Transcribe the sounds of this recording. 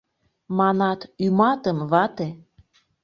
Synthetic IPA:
mɑnɑt̪ymɑt̪əmβɑt̪e

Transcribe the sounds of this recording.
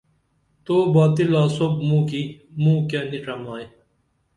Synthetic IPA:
t̪oːbaːt̪ilaːsob̚mũːkimũːkjaːniʈ͡ʂɐmaːj

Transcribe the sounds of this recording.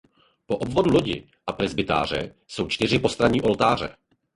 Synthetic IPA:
po̞ʔobvo̞dulo̞ɟɪ̰ | ʔapɾɛzbɪt̪a̰ːr̝ɛ̰ | so̞wt͡ʃt̪ɪr̝ɪpo̞st̪ɾaɲiːʔo̞lt̪aːr̝ɛ̰

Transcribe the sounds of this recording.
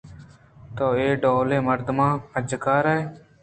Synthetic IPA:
t̪oːeːɖoːleːməɾd̪mãːpəd͡ʒkaːɾee

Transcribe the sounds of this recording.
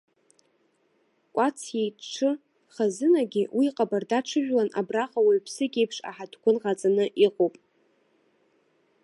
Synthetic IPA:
kʷʼat͡sʰjejʈ͡ʂʰɨ | χazɨnaɡʲɪwʔiqʼabardaʈ͡ʂʰɨʒᶣlanabraχawaɥpʰsɨɡʲe̞jpʰʂa̰ħadkʷʰʊnʁat͡sʼanɨʔiqʼowpʼ

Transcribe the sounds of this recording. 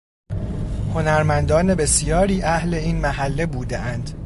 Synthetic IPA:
ho̞næɾmænd̪ɒːne̞be̞sijɒːɾiːʔæhle̞iːnmæhælːe̞buːd̪eʔænd̪̥

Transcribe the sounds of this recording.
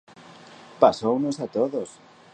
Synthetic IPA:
pasownosat̪oðos

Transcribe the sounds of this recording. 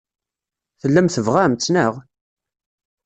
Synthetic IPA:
θəlːæmθəvʁæmt͡sːnəʁ

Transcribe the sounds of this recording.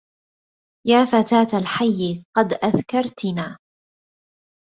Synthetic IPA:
jaːfat̪aːt̪alħajːɪqɑd̪ʔaðkɑɾˤt̪naː

